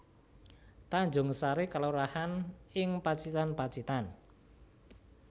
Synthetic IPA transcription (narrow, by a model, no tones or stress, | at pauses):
t̪aɲd͡ʒʊ̤ŋəsaɾekaloɾahanɪŋpat͡ʃit̪anpat͡ʃit̪an